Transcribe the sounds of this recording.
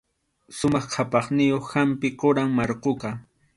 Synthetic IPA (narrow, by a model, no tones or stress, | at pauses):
sʊmɑχqʰapɑχnɪjoχhampɪqoɾaŋmɑɾqoqɑ